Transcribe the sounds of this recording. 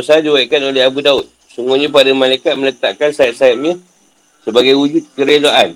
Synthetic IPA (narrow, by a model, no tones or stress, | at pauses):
saadiwaikanoleɦabudaʊt̪̚ | suŋɡuɲãpadamãlajkat̪̚mə̃lət̪a̰ʔkansait̪̚saip̚ɲã | səbaɡajwud͡ʒut̪̚kəɾelaʔan